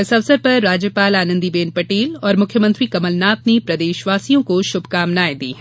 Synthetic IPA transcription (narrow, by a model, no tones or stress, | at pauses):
ɪsɐʋsəɾpɐɾːaːd͡ʒjəpaːlaːnə̃nd̪ibeːnpɐʈeːlɔːɾmʊkʰjəmə̃nt̪ɾikɐməlnaːt̪̚nepɾɐd̪eːʃʋaːsijõkoʃʊbʱkaːmnaːed̪ḭːɦɛ